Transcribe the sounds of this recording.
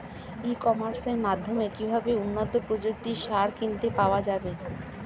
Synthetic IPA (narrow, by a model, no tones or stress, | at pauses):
ekɔmaɾseɾmad̪ʱːomeekibʱabeunːot̪opɾod͡ʑok̚t̪iʃaɾkint̪epaoad͡ʑabe